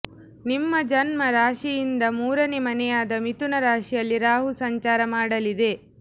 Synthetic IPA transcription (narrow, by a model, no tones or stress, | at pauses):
nimːɐd͡ʒɐnmɐɾaːʂijind̪ɐmuːɾɐnemɐnɛjaːd̪ɐmit̪unɐɾaːʂijɐlːiɾaːɦusɐɲt͡ʃaːɾɐmaːɽɐlid̪e̞